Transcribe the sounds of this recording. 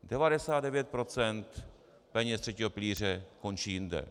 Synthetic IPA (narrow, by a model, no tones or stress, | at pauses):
dɛvadɛsaːd̪dɛvjɛt̪̚pɾot͡sɛnt̪ | pɛɲɛst̪r̥ɛciːɦopɪliːr̝ɛko̞nt͡ʃiːjɪndɛ̰